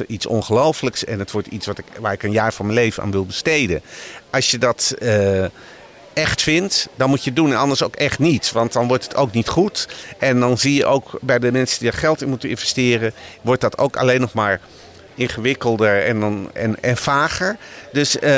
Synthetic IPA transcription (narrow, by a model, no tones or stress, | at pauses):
itsɔ̰nχəlowfləksɛnətʋɔɹtitsʋɑtɪkʋaːɹɪkənjaːɹfɔnməlejvənʔa̰ːnʋɪlˠbəstejdə̰nʔɑsjədɑtə | ɛχtfɪntdɑnmutjədunɛnɑndəɹsowkɛχtnitsʋɑnt̚dɑnʋɔɹtətʰo̰wknitχutʔɛndɑnzijəʔowkbɛjdəmɛnsədidaɹχɛlˠtɪnmutənɪnvɛstɪːrəʋɔɹt̚dɑto̰wka̰lejnɔχmaːɹ | ɪnχəʋɪkəlˠdəɹɛ̰ndɑnɛ̰nɛnfaːχəɹdøs